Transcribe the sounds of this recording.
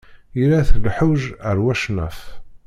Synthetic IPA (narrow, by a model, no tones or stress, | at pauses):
jiɾæθlħuʒəɾwæʃnæ̰f